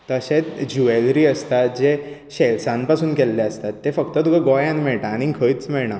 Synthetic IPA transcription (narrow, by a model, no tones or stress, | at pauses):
t̪əɕet͡sd͡ʑuelɾiːəst̪at̪d͡ʑe | ɕelsãnpasuːnkelːeəst̪at̪ːefəkt̪ət̪ukʰaɡɔjãnmɛɭʈaːɽ̃ikʰəjt͡smɛɭɳa